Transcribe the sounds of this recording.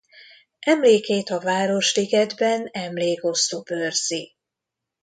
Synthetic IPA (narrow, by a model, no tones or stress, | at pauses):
ʔɛmleːkeːt̪ɒvaːɾo̞ʃliɡɛd̪bɛnɛmleːko̞st̪oːbørz̥i